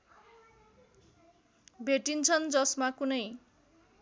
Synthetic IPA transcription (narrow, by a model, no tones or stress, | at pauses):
bʱeʈint͡sʰʌnd͡zʌsmakunʌj